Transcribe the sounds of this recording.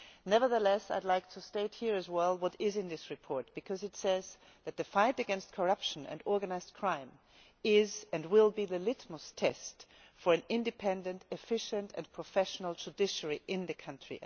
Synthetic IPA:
nɛvə˞ðəlɛsa̰ɪdˡlaɪk̚tʰəsteɪt̚hiɹɨzwɛlˠwʌɾɪzɨ̃nðɪsɹɨpʰɔɹt̚b̥ɨkʰʌzɨtsɛz | ðɨt̪̚ðɨfaɪɾɨɡɛ̃nst̚kʰə˞ʌpʃə̃nɨ̰̃nɔɹɡɨnaɪz̥kʰɹ̥ãɪ̃m | ɪzɨ̃nwɪlˠbiðɨlɪtməstʰɛst | fə˞ɨ̃nɪ̃ndɨpʰɛ̃ndɨ̃ntɨfɪʃɨ̃ntʰɨ̰̃npʰɹ̥əfɛʃn̩l̩ˠd͡ʒɨdɪʃə˞iʔɪ̃nðɨkʰʌ̃ntɹ̥ḭ

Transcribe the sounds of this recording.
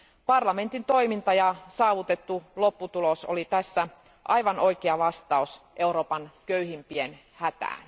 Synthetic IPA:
pɑrlɑme̞nt̪int̪o̞imint̪ɑjɑsɑːʋut̪e̞t̪ːulopːut̪uloso̰lit̪æsːæ | ʔɑjʋɑno̞jkeɑʋɑst̪ɑusʔe̞uɾo̞ːpɑnkøyɦimpien | hæt̪æ̰ːn

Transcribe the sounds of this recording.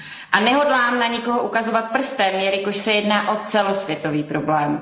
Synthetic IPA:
ʔanɛɦo̞dlaːmnaɲɪko̞ɦoʔukazo̞vat̪̚pr̩st̪ɛːmjɛɾɪkoʃsɛjɛdnaːʔo̞t͡sɛlo̞svjɛt̪o̞viːpɾo̞blɛːm

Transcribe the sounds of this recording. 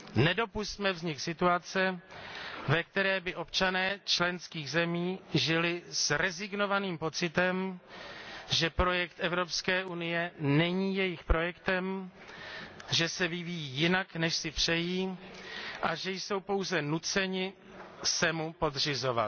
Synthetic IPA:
nɛdo̞pust̪mɛvzɲɪksɪt̪uat͡sɛ | vɛk̚t̪ɛɾɛːbɪʔo̞pt͡ʃanɛːt͡ʃlɛnskiːɣzɛmiːʒɪlɪsɾɛzɪɡno̞vaniːmpo̞t͡sɪt̪ɛm | ʒɛpɾo̞jɛkt̪ʔɛvɾo̞pskɛːʔunɪjɛnɛɲiːjɛjɪxpɾo̞jɛkt̪ɛm | ʒɛsɛvɪvijiːjɪnaknɛʃsɪpr̝̥ɛjiː | ʔaʒɛjso̞wpo̞wzɛnut͡sɛɲɪ | sɛmupo̞dr̝ɪzo̞va̰t̪

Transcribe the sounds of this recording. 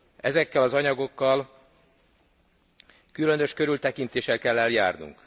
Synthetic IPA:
ɛzɛkːɛlɒzɒɲɒɡo̞kːɒl | kylø̞nøʃkøɾylt̪ɛkint̪eːʃɛlkɛlːɛljaːrnṵŋk

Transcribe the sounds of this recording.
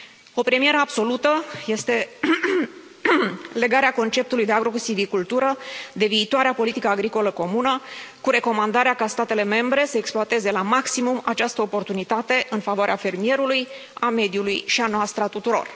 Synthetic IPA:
o̞pɾe̞mije̞ɾəabso̞lut̪əje̞st̪e̞ | le̞ɡaɾeako̞nt͡ʃe̞p̚t̪ulujd̪e̞aɡɾo̞kusivikult̪uɾəd̪e̞viːt̪oaɾeapo̞lit̪ikəaɡɾiko̞ləko̞munəkuɾe̞ko̞mand̪aɾeakast̪at̪e̞le̞me̞mbɾe̞səeksploat̪e̞ze̞lamaksimumat͡ʃast̪əopo̞rt̪unit̪at̪e̞ʔɨnfavoaɾeafe̞rmije̞ɾulujame̞d̪julujʃianoast̪ɾat̪ut̪uɾo̞̰r

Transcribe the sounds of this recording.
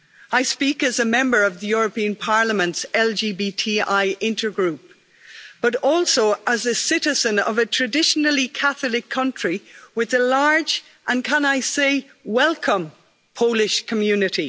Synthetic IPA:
aɪspikəzəmɛ̃mbə˞ʌvðəjʊɹəpĩə̃npʰaɹləmə̃ntsɛlˠd͡ʒibitʰiaɪʔɪ̃ntʰə˞ɡɹʉp̚ | b̥ʌɾɔlˠsoʊʔəzəsɪɾɪzə̃nʌ̰vətʰɹ̥ɨdɪʃənəl̩ˠikʰaθlˠɪkʰʌ̃nt͡ʃɹ̥iwɪðəlaɹd͡ʒ | ʔə̃nkʰə̃naɪseɪ | wɛlˠkʰə̃m | pʰoʊlɪʃkʰəmjʉnɨɾi

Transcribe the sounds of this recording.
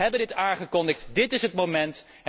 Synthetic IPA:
ɦɛbəndɪtaːŋχəkɔndəχtdɪtɪsɦətmomɛnt

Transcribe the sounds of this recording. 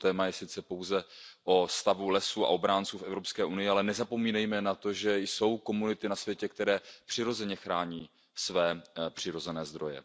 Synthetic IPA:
t̪ɛːmajɛsɪt͡sɛpo̞wzɛʔo̞st̪avulɛsuːa̰ʔo̞bɾaːnt͡suːfʔɛvɾo̞pskɛːʔunɪjɪalɛnɛzapo̞miːnɛjmɛnat̪o̞ʒɛjso̞wko̞munɪt̪ɪnasvjɛcɛkt̪ɛɾɛːpr̥ɪɾo̞zɛɲɛxɾaːɲiː | svɛːpr̥ɪɾo̞zɛnɛːzd̪ɾo̞jɛ̰

